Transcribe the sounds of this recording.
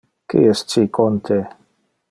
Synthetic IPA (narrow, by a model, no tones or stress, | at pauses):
kḭɛst͡ʃikʰont̪ʰe